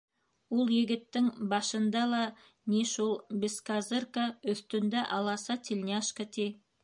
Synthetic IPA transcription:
ulˠjɘ̆ɡɘ̆t̪ːɘŋbɑʃɤ̆nd̪ɑlˠɑ | niʃulˠbʲɪskazɤrkaɵ̆θt̪ɵ̆nd̪æʔɑlˠɑsɑt̪ʲʰilʲnʲaʃkət̪ʲi

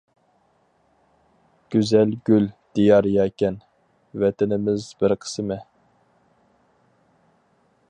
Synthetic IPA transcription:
ɡ̥ʲyzɛlɡʲyld̪̥ijɑɾjɑːkʲɛn | vɛt̪ʰɪnɪmɪzbɪɾqʰə̥sɨmɨ

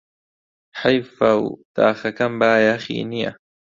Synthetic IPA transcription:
ħajfawt̪a̰ːxakambaːjaxḭːnija̰

